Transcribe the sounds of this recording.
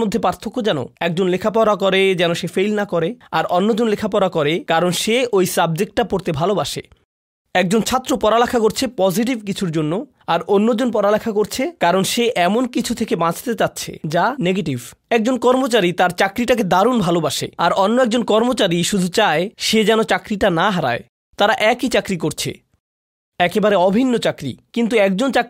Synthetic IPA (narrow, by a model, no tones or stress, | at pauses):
mod̪ʱːepaɾt̪ʰokːod͡ʑɛno̰ɛk̚d͡ʑonlekʰapaɾakɔɾed͡ʑɛnoʃefejlnakɔɾeaɾʔɔnːod͡ʑonlekʰapaɾakɔɾekaɾonʃeojsab̚d͡ʑek̚ʈ̚ʈapoɾt̪ebʱalobaʃḛ | ɛk̚d͡ʑont͡ɕʰat̪ːɾopɔɾalakʰakoɾt͡ɕʰepɔziʈ̬ibkit͡ɕʰuɾd͡ʑonːo | aɾʔonːod͡ʑonp̬ɔɾalakʰakoɾt͡ɕʰekaɾonʃeʔɛmonkit͡ɕʰut̪ʰekebãt͡ɕʰt̪et͡ɕatːɕʰḛd͡ʑaneɡeʈivɛk̚d͡ʑonkɔɾmot͡ɕaɾit̪aɾt͡ɕakɾiʈak̬ed̪aɾunbʱalobaʃḛaɾɔnːoɛk̚d͡ʑonkɔɾmot͡ɕaɾiʃud̪ʱut͡ɕaeʃed͡ʑɛnot͡ɕakɾiʈanaɦaɾa̰e | t̪aɾaʔɛkit͡ɕakɾik̬oɾt͡ɕʰḛ | ɛkebaɾeɔbʱinːot͡ɕakɾḭkint̪uɛk̚d͡ʑont͡ɕak